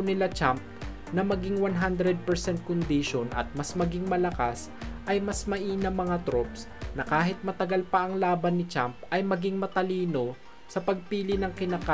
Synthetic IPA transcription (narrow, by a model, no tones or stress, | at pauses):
nɪlat͡ʃamp̚ | nɐmɐɡɪŋwanɦand̪ɾɛd̪̚pɛɹsɛnt̪̚kond̪iʃonʔɐ̰t̪̚mɐsmɐɡɪŋmɐlɐkas | ʔɐjmɐsmɐʔiːnɐŋmːɐŋat̪ɾops | nɐkaːɦɪt̪̚mɐt̪ɐɡalpɐʔɐŋlaːbɐnːɪt͡ʃampʔɐjmɐɡɪŋmɐt̪ɐliːno̞ | sɐpɐɡ̚piːlɪnɐŋkɪnaka